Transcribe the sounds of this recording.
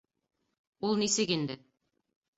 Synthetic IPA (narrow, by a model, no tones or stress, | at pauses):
ulˠnisɘkind̪ɘ